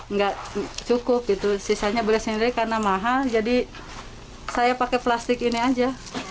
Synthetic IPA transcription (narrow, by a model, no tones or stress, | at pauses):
ŋɡaʔt͡ʃukʊp̚ɡit̪usisaɲabolɛhsəniɾɪkarnamaɦald͡ʒadi | sajapakɛplast̪ɪkiniad͡ʒa